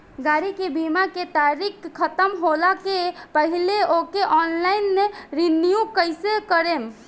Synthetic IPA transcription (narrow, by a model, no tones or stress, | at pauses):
ɡaɾikebimaket̪aɾikkʰːət̪əmɦolakepəɦileokeʔɔnlainmeɾinjukəjsekəɾem